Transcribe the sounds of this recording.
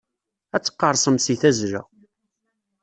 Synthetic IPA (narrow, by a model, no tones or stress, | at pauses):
æt͡sːə̥qːɑɾˤsˤəmsiθæzɾæ̰